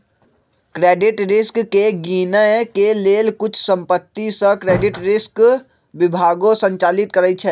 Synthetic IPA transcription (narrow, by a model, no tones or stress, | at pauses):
kɾeːɖɪʈɾɪskkeɡiːnəkeleːlkʊt͡ʃʰsə̃mpət̪ːisə̃kɾeːɖɪʈɾɪsk | ʋɪbʱaːɡõsə̃ɲt͡ʃaːlɪt̪̚kəɾət͡ʃʰɛː